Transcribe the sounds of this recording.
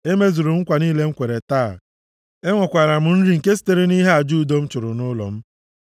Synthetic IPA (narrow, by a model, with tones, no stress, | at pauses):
e˦me˦zu˨ɾʊ˨ŋ̩˦kʷa˨niː˦le˦ŋ̩˦kʷe˨ɾe˨taː˦˨ | e˦ŋʷɔ˨kʷa˨ɾa˨m̩˨n̩˦ɾi˨ŋ̩˨ke˦s̬i̥˦te˦ɾe˦ni˦ɦe˦a˨d͡ʒu˦˨do˦m̩˦t͡ʃʊ˨ɾʊ˨nʊ˦lɔ̰˨m̩˦